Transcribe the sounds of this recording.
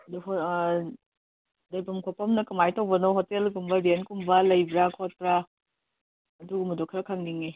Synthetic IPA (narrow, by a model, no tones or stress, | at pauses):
ɐduɦ | dɐjpɐmkʰopɐmnɐkɐmajtʰowbɐnoɦotelɡumbɐɾenkumbɐlɐjbɾakʰot̚pɾa | ɐduɡumɐdokʰɾɐkʰaŋniŋe